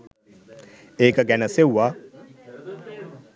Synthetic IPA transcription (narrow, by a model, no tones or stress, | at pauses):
eːkəɡænəsewːaː